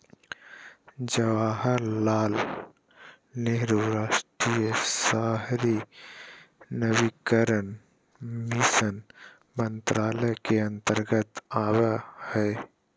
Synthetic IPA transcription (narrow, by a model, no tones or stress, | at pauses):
d͡ʒəʋaːɦəɾlaːl | neɦɾuɾaːʃʈɾijəsaːɦɾi | nəʋikəɾən | misən | mə̃nt̪ɾaːləjkeɐ̃nt̪əɾɡət̪aːwahɛː